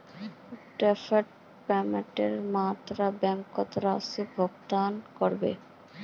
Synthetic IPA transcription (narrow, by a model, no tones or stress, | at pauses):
ʈɾɛfeʈ̚ | pɛmeʈeɾmat̪ɾabɛmkɔt̪ɾasebʱɔɡt̪ankɔɾbḛ